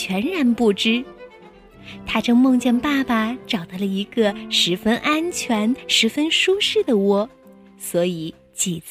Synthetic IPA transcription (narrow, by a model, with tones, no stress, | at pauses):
ɥɛ˧˥nɻa˧˥npu˥˩ʈ͡ʂɻ̩˥ | t̪ʰa˥ʈ͡ʂɤ˥˧ŋmɤ˥˧ŋt͡ɕjɛ˥˧ŋpa˥˩pa˩ʈ͡ʂɑ˨˩ʊd̪ə˧˩lə˩i˧˥ɡə˧ʂɻ̩˧˥fə˥nʔa˥nt͡ɕʰɥɛ˧˥nʂɻ̩˧˥fə˥nʂu˥ʂɻ̩˥˩d̪ə˩wɔ˥ | swɔ˧˥i˨˩ | t͡ɕi˨˩t͡s